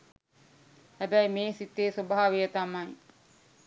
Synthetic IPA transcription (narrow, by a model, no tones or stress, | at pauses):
hæbæjmeːsit̪eːsobaɦaːʋejət̪amaj